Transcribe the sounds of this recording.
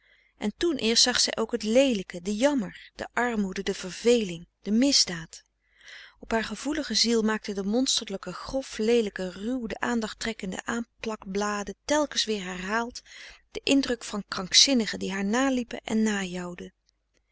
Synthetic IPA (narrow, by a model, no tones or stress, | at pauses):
ʔɛntunʔɪːɹstsɑχsɛ̰jʔowkɦətlejləkədəjɑməɹd̥ə̰ʔɑɹmudədəv̥əɹvejlɪŋd̥əmɪzdaːt | ɔpɦaːɹχəvuləχəzilˠmaːk̚tədəmɔnstəɹləkəχrɔflejləkərywdəʔaːndɑχtrɛkəndə̰ʔaːmplɑkblaːdətɛlˠkənsʋɪːɹɦɛrɦaːlˠtd̥əʔɪndrɵkfɑnkrɑŋksɪnəχədiɦaːɹnaːlipə̰ʔɛ̰nːaːjɑwdə